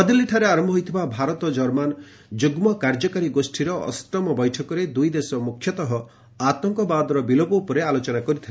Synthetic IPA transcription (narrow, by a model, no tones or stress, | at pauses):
ɔd̪iliʈʰaɾeaɾɔmbʱɦoijt̪ʰibabʱaɾɔt̪ɔd͡ʒɔɾman | d͡ʒuɡmɔkaɾd͡ʒɔkaɾiɡosʈʰiɾɔʔɔ̰st̪ɔmɔbɔjʈʰɔkɔɾed̪ujd̪esɔmukʰjɔt̪ɔɦɔ | at̪ɔŋkɔbad̪ɔɾɔbilopɔupɔɾealot͡ʃɔnakɔɾit̪ʰile